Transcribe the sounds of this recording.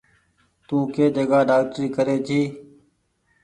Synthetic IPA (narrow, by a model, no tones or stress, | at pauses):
t̪ũːkeːd͡ʒəɡaːɖaːk̚ʈəɾiːkəɾeːt̪ʰiː